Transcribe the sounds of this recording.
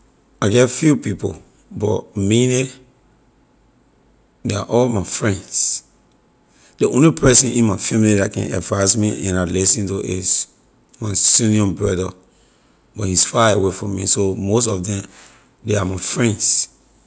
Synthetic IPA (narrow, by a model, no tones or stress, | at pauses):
aɡɛtfjupipo̰ | bɔ̰tmine | dea̰ʔɔlmaɪfɹɛ̃nds | diʔõnlipʰɛsɛ̃nʔĩnmaɪfɛmilidakɛ̰̃nɛ̰dvãsmiʔɛ̃nalisĩntuʔɪz | mãɪsũniɔ̃nbɹɔdə | bɔthisfaewefɹɔ̃mːisomos̬tɔfdɛ̃m | deamaɪfɹɛ̃nds